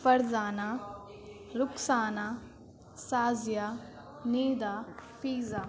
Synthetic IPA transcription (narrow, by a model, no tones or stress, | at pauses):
fɐɾzaːnaː | ɾʊksaːnaː | saːzjaː | niːd̪aːfiːzaː